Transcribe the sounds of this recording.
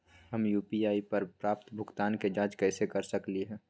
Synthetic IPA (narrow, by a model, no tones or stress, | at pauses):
ɦɐmjuːpiaːipɐɾpɾaːp̚t̪bʱʊɡt̪aːnked͡ʒaːd͡ʒkɛːsekɐɾsɐkliɦɛ̃ː